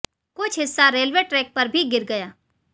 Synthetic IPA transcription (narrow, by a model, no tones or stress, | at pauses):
kʊt͡ʃʰɦɪsːaɾeːlʋeːʈɾɛːk̚pɐɾbʱiɡɪɾɡɐjaː